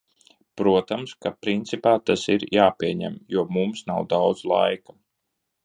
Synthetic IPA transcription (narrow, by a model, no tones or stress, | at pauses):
pɾuɔt̪amskapɾint̪sipaːt̪asiɾjaːpiɛɲæ̰mjuɔmumsnawd̪awd̪zlˠa̰jkḁ